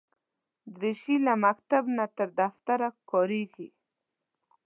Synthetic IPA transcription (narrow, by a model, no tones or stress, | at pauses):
d̪ɾɪʃilamakt̪abnat̪əɾd̪aft̪aɾakɔɾeɡi